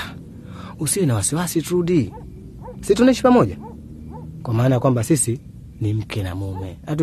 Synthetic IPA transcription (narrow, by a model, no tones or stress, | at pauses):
usiɛnawasiwasitudi | situnɛʃipamɔɟa | kwamaːnajakwambasisi | nim̩kʰɛna̰mumɛat̬u